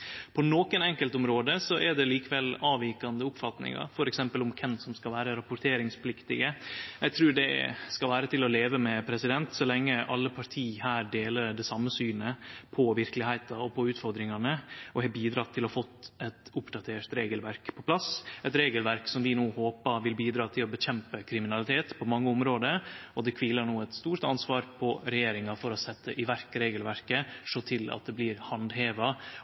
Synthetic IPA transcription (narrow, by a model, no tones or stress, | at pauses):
pʰɔnoːkənɛŋkəlt̪ʊmɾoːd̪əsɔʔɛɖɛliːkəʋɛlɑːʋiːkɑnd̪əʊpfɑt̪nɪ̰ŋɑ̰ɾfɔɾɛksɛmpəlʊmkʰɛnsɔmskɑlʋæːɾəɾɑpʊʈ̪ʰeːɾɪŋspʰlɪkt̪ɪɡəjɛɡt̪ʰɾʉːɖɛ̰skɑlʋæːɾət̪ʰɪlɔleːʋəmɛpʰɾɛsɪd̪ɛnt̪sɔlɛŋːəʔɑlːəpʰɑɾt̪ʰiːhæːɾɖ̪eːləɾɖɛsɑmːəsyːnəpʰɔʋɪɾkəlɪhæɪt̪ɑɔpʰɔʉːt̪fɔɾd̪ɾɪŋɑnəɔhɛbiːd̪ɾɑːt̪ʰːɪlɔfɔt̪ːɛt̪ʊpd̪ɑt̪ʰeːʈt̪ɾeːɡəlʋæɾkpʰɔpʰlɑsɛt̪ɾeːɡəlʋæɾksɔmʋɪnoːhoːpɑʋɪlbiːd̪ɾɑːt̪ʰɪlɔbəçɛmpəkʰɾɪmɪnɑlɪt̪ʰeːt̪pʰɔmɑŋːəʊmɾoːd̪əɔd̪ɛkʰʋiːlɑɳuːɛt̪st̪uːɾʈ̪ɑnsʋɑːɾpʰɔɾɛjeːɾɪŋɑfɔɾɔsɛt̪ːəʔɪʋæɾkəɾeːɡəlʋæɾkəʂot̪ʰɪlɑ̰t̪̚d̪ɛbliːɾhɑnd̪ɦeːʋɑ